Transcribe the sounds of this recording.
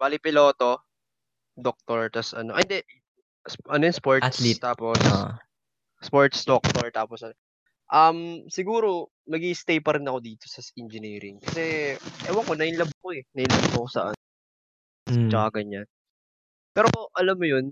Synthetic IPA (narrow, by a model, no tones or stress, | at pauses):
b̥aːlɪpɪlo̞ːt̪o̞ | d̪ok̚t̪oɹt̪ɐsʔɐno̞ʔɛnd̪ɛ | sʔɐnojnspoɹit̪t̪aːpos | spoɹt̪sd̪ok̚t̪oɹt̪aːposʔɐno | ʔɐmsɪɡuːɾo̞ | mɐɡist̪ejpɐɾɪnɐko̞d̪iːt̪o̞sɐsʔɪnd͡ʒɪniːɾɪŋkɐsɛʔɐ̰wɐŋkonɐjɪnlɐbɐkoɛnɐjɪnlɐbʊɐɐkosɐ̰ʔa̰n | t͡ʃɐkɐɡɐɲan | pɛːɾoʔɐlamːojon